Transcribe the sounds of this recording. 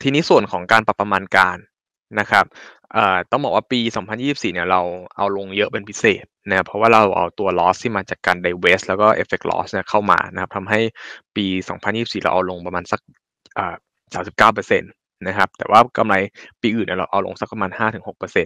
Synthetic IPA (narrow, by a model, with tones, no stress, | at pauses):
t̪ʰiː˧niː˦˥su˨˩ənkʰɔː˩˦ŋkaː˧npa˨˩pːɾa˧maː˧nkaː˧nː | a˦˥kʰa˦˥p̚ | ʔɤː˨˩t̪ɔː˥˩bɔː˨˩kwaː˥˩piː˧sɔː˩˦ŋpʰa˧njiː˥˩i˨˩psiː˨˩ni˥˩ɐɾa˧wʔa˧wlo˧ŋjɤ˦˥ʔpe˧npʰi˦˥seː˨˩t̪̚na˦˥kʰa˦˥pʰɾɔ˦waː˥˩ɾa˧wʔa̰˧wt̪u˧ɐlɔː˦˥st̪ʰiː˥˩maː˧t͡ɕaː˨˩kːaː˧nda˧jweː˦˥s̚lɛː˦˥wkɔː˥˩ʔḛ˦˥fe˨˩k̚lɔ̰ː˦˥sni˥˩kʰa˥˩wma̰ː˧na˧˥kʰa˦˥p̚t̪ʰa˧mɦa˥˩jpiː˧sɔ̰ː˩˦ŋpʰa˧njiː˥˩˨siː˨˩ɾa̰˧ʔa̰˧wlo˧ŋpɾa˧maː˧nsa˨˩k̚ | ʔɤː˨˩ | saː˩˦msi˨˩kaː˥˩wp̬ɤː˧se˧nː | a˦˥kʰa˦˥p̚t̪ɛː˨˩waː˥˩ka˧mla˧jpiː˧ʔɯː˨˩ni˥˩ɾa˧wʔa̰˧wlo̰˧ŋsa˦˥k̚pa˧maː˧nhaː˥˩t̪ɯ˨˩˦ŋho˨˩k̚pɤː˧se˧n